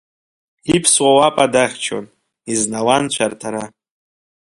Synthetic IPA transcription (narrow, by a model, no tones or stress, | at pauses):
ipʰswawapʼadaχʲt͡ʃʰo̰n | iznawant͡ɕʷʰartʰaɾa